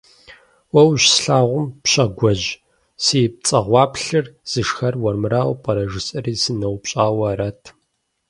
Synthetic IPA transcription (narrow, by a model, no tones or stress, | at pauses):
wɐwɕsɬaːʁʷʊmpɕʼɐɡʷɔʑ | siːp̚t͡sʼɐʁʷɑːpɬɨrz̥ɨʂxɐrwɐrmɨɾaːwpʼɐɾɐʒɨsʼɐriːsɨnɐwpɕʼaːwɐɾɐtʰ